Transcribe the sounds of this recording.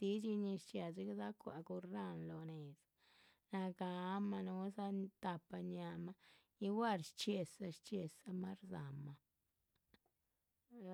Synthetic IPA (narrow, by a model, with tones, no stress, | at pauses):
t̪i˦t͡ʃi˧ɲi˧ʃt͡ʃja˨zi˦ɡza˦kʷa̰˨ɡu˧ɾa˦nlo˨ne˨s | na˧ɡa˧˦ma˧nu˧˦sa˦t̪a˧pːa˧ɲa˧ma˦ | i˦wa˦˨ɾʃt͡ʃe˧sa˧ʃt͡ʃe˧sa˧ma˦ɾza˨ma˨